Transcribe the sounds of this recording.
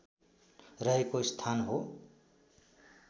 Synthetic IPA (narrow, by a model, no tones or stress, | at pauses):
rʌɦekost̪ʰanɦo